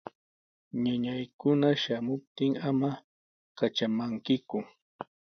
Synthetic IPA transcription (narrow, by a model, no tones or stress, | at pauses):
ɲaɲajkʊnaʃamʊp̚t̪ɪŋama | kat͡ʃamaŋkɪkʊ